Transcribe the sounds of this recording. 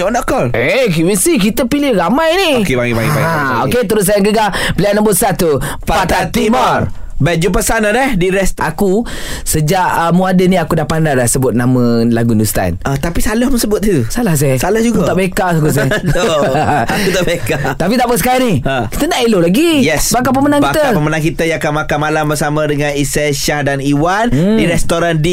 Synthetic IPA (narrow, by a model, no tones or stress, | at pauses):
nakɔlekiwisikit̪əpilɪhramajnikebaɡibaɡibɡaoket̪uɾʊt̪̚sajaŋɡəɡapəlianambusat̪u | papat̪at̪imar | bɛd͡ʒupəsanadɛdiɾɛst̪aku | səd͡ʒaʔəmuadəniakudahpandadahsəbʊt̪̚naməlaɡundust̪a̰nat̪apisalɔhməŋsəbʊt̪̚nit̪usalahs̬ɛsalahd͡ʒuɡaaʔbekaʔsak̬us̬ | kut̪aʔbekat̪apit̪aʔpəs̬əkaaniəki̥t̪ənaʔelolaɡijɛsbakap̬əmənãŋkbiat̪əapəmənaŋkit̪əjãkanmakanmalambəɾsamə̃dəŋanisɛʃahdaniwandiɾɛst̪oɾandi